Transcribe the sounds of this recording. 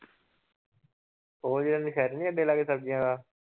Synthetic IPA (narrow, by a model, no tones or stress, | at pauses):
toːd͡ʒiːɾəːneːkʰɛːɾnĩːəɖeːlaːɡeːsəb̚d͡ʒɪjãːɡaː